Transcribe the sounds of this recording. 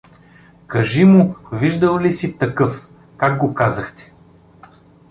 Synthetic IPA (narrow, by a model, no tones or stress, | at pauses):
kɐʒimʊviʒd̪əlˠlisit̪ɐkɤf | kaɡ̚ɡokazɐxt̪ɛ̥